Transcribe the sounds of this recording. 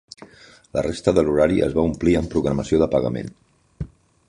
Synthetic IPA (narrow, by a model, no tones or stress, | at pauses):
lərest̪əðəluɾaɾiʔə̰zβaumpliəmpɾuɣɾəməsioðəpəɣəmḛn